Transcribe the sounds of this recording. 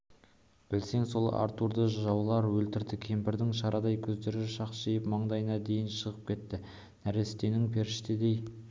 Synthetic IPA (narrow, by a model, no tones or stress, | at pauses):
b̥ɪlse̞ŋso̞lˠɑ̰ɾt̪uɾd̪əʒʒɑwlˠɑɾwɵlt̪ɪɾd̪ɪkʲʰe̞mpɪɾd̪ɪŋʃɑɾʔɑd̪ɑjkʲʰɵzd̪e̞ɾɪʃɑq̪ʒejəpmɑɴd̪ɑjənɑd̪e̞jɪnʃəʁəp̚kʲʰe̞t̪ːɪ | næɾe̞st̪e̞nɪŋpʰe̞ɾʃt̪ɪd̪e̞j